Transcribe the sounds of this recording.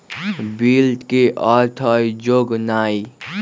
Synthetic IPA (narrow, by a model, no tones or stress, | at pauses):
bilɖkeʔɔɾt̪ʰəjd͡ʒoɡnaːi